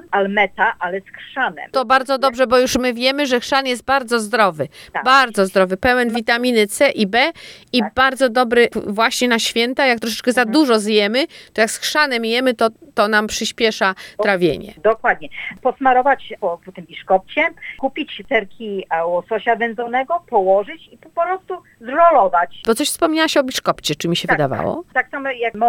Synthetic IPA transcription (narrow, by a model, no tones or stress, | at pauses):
almɛt̪aʔalɛsxʂanɛ̰mt̪ɔbaɾd̪zɔd̪ɔbʐɛbɔjuʂmɘvʲjɛmɘʐɛxʂanjɛs̬t̪̚baɾd̪zɔzd̪ɾɔvɘbaɾd̪zɔzd̪ɾɔvɘpɛwɛnvʲit̪amʲinɘt̪sɛʔibɛibaɾd̪zɔd̪ɔbɾɘvwaɕɲɛnaɕfʲjɛnt̪ajak̚t̪ɾɔʂɛt͡ʂkɛzad̪uʐɔzjɛmɘt̪ɔjaksxʂanɛmjɛmɘt̪ɔt̪ɔnampʂɘɕpʲjɛʂat̪ɾavʲjḛɲɛ̰d̪ɔkwad̪̚ɲɛpɔsmaɾɔvat͡ɕpɔpɔt̪ɨmbʲiʂkɔp̚t͡ɕɛkupʲit͡ɕt̪ɛɾkʲiawɔsɔɕavɛnzɔnɛɡɔpɔwɔʐɘt͡ɕipɔpɔpɾɔst̪u | zɾɔlɔvat͡ɕbɔt̪sɔɕfspɔmɲawaɕɔbʲiʂkɔpt͡ɕɛt͡ʂɘmʲiɕɛvɨd̪a̰va̰wɔ̰t̪aksamɛjakmɔ